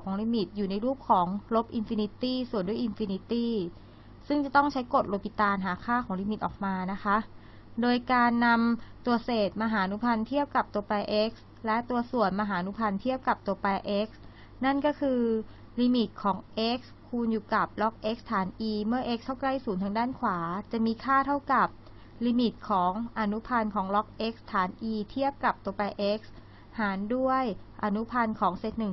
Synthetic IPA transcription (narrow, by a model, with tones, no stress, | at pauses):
wkʰɔː˩˦ŋliː˧mi˨˩t̪̚juː˨˩na˧jɾuː˥˩p̚kʰɔː˩˦ŋlo˦˥p̚ʔi˧nfiː˧ni˧˥t̪iː˥˩su˨˩ənduː˥˩ʔi˧nfiː˧ni˧˥t̪iː˥˩ | sɯ˥˩ŋt͡ɕa˨˩t̪ɔ˥˩ŋt͡ɕʰa˦˥jko˨˩t̪̚ɾo˦˥pʰi˨˧˩t̪aː˧nɦaː˩˦kʰaː˥˩kʰɔː˩˦ŋliː˧mi˨˩t̪̚ʔɔː˨˩k̚maː˧na˦˥xʰa˦˥ʔ | doː˧jkaː˧nːa˧mt̪u˧ɐseː˨˩t̪̚maː˧ɦaː˩˦ʔnu˦˥pʰa˧nt̪ʰi˥˩əp̚ka˨˩p̚t̪u˧ɐpa˧jʔe˦˥k̚s | lɛ˦˥ʔt̪u˧ɐsu˨˩ənma˧ɦaː˩˦ʔa˧nu˦˥pʰa˧nt̪ʰi˥˩əp̚ka˨˩p̚t̪u˧ɐpa˧jʔe˦˥k̚s | na˥˩nkɔː˥˩kʰɯː˧ | liː˧mi˨˩t̪̚kʰɔː˩˦ŋʔe˦˥k̚skʰuː˧njuː˨˩ka˨˩p̚lɔ˦˥k̚ʔe˦˥k̚st̪ʰːaː˩˦nʔiː˧mɯ˥˩ɐʔe˦˥k̚t̪ʰa˥˩wkla˥˩jsuː˨˩˦nt̪ʰa˧ŋdaː˥˩nkʰwaː˩˦t͡ɕa˨˩ʔmiː˧kʰaː˥˩t̪ʰa˥˩wka˨˩p̚ | liː˧mi˨˩t̪̚kʰɔː˩˦ŋʔa˧nu˦˥pʰa˧nkʰɔː˩˦ŋlɔ˦˥k̚ʔe˦˥k̚st̪ʰaː˩˦nʔiː˧t̪ʰi˥˩əp̚ka˨˩p̚t̪u˧ɐpa˧jʔe˦˥k̚s | haː˩˦ndu˥˩əj | ʔa˧nu˦˥pʰa˧nkʰɔː˩˦ŋse˨˩t̪̚nɯ˨˩ŋ